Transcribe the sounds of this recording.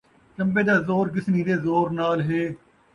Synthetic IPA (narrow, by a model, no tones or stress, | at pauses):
t͡ʃə̃mbeːd̪aːzoːɾɡɪsniːd̪eːzoːɾnaːlɦeː